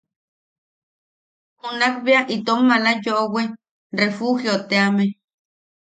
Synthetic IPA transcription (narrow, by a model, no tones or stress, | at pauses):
hunakβiaʔit̪omːalajoʔowe | refuhjot̪eame